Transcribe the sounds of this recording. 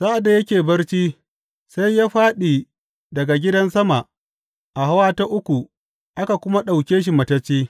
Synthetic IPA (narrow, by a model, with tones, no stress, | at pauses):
sa˦ʔa˨da˨jɐ˦kʲeː˨bɐ˦rt͡ʃiː˦ | sa˦jːaː˦ɸaː˦ɗiː˨ | dɐ˨ɡa˨ɡʲɪ˦dɐ˦nsɐ˦ma˨ʔ | ʔa˨ɦa˦waː˦ta˦ʔʊ˦kʷu˨ | ʔa˦ka˨kʷʊ˦ma˦ɗa˨wkʲeː˦ʃ̬i˨mɐ˨tɐ˦t͡ʃːiː˦